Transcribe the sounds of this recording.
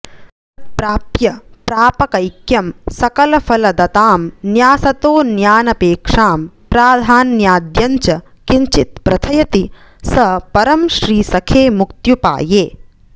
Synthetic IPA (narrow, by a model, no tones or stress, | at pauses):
ɐt̪̚pɾaːpjɐpɾaːpɐkɐjkjɐmsɐkɐlɐfɐlɐd̪ɐt̪aːmnjaːsɐt̪oːnjaːnɐpeːkʂaːmpɾaːd̪ʱaːnjaːd̪jɐɲt͡ʃɐ | kiɲt͡ʃit̪̚pɾɐt̪ʰɐjɐt̪i | sɐpɐɾɐmʃɾiːsɐkʰeːmukt̪jupa̰ːjeː